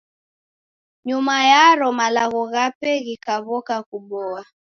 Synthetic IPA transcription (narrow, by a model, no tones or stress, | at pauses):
ɲumajaɾɔmalaɣɔɣapɛɣikaβɔkakuɓɔa